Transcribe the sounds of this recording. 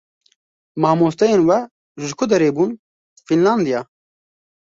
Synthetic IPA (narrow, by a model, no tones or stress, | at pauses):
mɑːmoːst̪ɛjeːnwɛ | ʒʒɨkʰʊd̪ɛɾeːbuːn | finlɑːnd̪ijɑː